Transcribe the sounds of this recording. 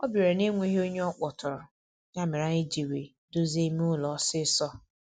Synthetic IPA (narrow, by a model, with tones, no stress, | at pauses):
ɔ˦bi˨ɾe˨ne˦ŋʷe˦ɦe˦o˦ɲe˦ɔ˦k͡pɔ˨tʊ˨ɾʊ˨ | ɲa˦˨mɪ˨ɾa˦ɲe˦d͡ʒi˨we˨ | do˦ze˦m˦ʊ˦lɔ˨˦sɪ˦sɔ˦